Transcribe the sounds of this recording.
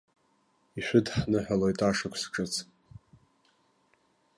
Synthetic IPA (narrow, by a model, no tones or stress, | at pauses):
iʃʷᶣʊdħnɨħʷᶣalojtʼaʂakʷʰsʈ͡ʂʰʼɨt͡sʰ